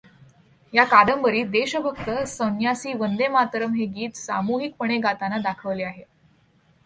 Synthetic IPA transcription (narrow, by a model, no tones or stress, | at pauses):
jakaɽəmbəɾiːd̪eɕəbʱək̚t̪əsənjasiːʋənd̪emat̪ɾəmɦeɡiːt̪sa̰muɦik̚pəɳ̃eɡat̪anad̪akʰəʋleaɦe